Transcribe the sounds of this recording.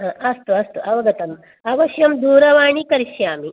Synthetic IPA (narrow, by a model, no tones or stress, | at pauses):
ɦãːʔɐst̪uɐst̪uʔɐʋɐɡɐt̪ɐm | ɐʋɐʃjɐmd̪uːɾɐʋaːɳikɐɾiʃjaːmi